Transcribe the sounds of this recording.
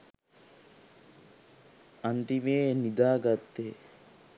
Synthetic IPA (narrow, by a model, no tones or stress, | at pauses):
ɐnt̪imeːnid̪aːɡat̪ːeː